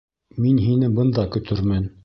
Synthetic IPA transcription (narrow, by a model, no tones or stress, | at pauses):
minɦinɘbɤ̆nd̪ɑkɵ̆t̪ɵɾmæn